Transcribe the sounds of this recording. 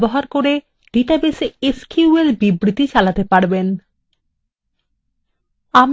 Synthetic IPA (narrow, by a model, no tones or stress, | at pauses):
boɦaɾkoɾe | ɖ̥iʈabeseeskuuelbibɾit̪it͡ɕalat̪epaɾben | am